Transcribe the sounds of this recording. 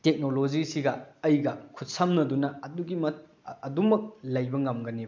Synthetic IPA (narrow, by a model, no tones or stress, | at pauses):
tek̚nolod͡ʒisiɡɐɐjɡɐkʰut̚samnɐdunɐɐduɡimɐt | ɐdumɐk̚lɐjbɐŋɐmɡɐneb